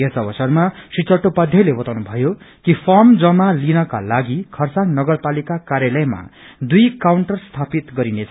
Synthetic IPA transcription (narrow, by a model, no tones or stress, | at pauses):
esʌbʌsʌrmasit͡sʌʈːopʌd̪ʱjʌlebʌt̪awnubʱʌjo | kipʰʌmd͡zʌmalinʌka̰laɡikʰʌrsaŋnʌɡʌrpalikakaɾjalʌjma̰ | d̪ujkawɳʈʌrst̪ʰapit̪ɡʌɾinet͡sʰ